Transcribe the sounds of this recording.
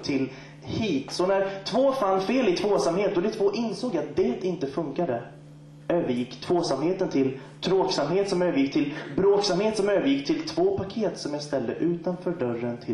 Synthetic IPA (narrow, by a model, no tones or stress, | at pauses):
t̪ʰɪl | hiːt̪sɔnæɾt̪ʰvoːfanːfeːlɪt̪ʰvoːsamheːt̪̚d̪ɔd̪ɛt̪ʰvoːʔɪnsoːɡjat̪̚d̪ɛːt̪ɪnt̪əfɵŋkad̪ə | øːvəɾjɪkːt̪ʰv̥oːsamheːt̪ənt̪ʰɪl | t̪ʰɾoːksamheːt̪sɔmøːvəɾjɪkːt̪ʰɪlbɾoːksamheːt̪sɔmøːvəɾjɪkːt̪ʰɪlt̪ʰvoːpʰakʰeːt̪sɔmjast̪ɛld̪ə̰ʔʉ̟ːt̪anfœːɖœrːənt̪ʰɪ